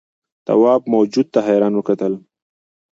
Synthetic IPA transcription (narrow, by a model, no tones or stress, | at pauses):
t̪a̰wɑbmawd͡ʒud̪̚t̪aɦejɾɑnwəkat̪əl